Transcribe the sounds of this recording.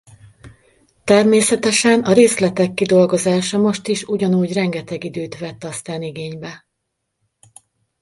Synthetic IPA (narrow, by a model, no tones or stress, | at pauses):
t̪ɛrmeːsɛt̪ɛʃɛnɒɾeːslɛt̪ɛkːid̪o̞lɡo̞zaːʃɒmo̞ʃt̪iʃuɟɒnuːɟrɛŋɡɛt̪ɛɡid̪øːt̪ʋɛt̪ːɒst̪aːniɡeːɲbɛ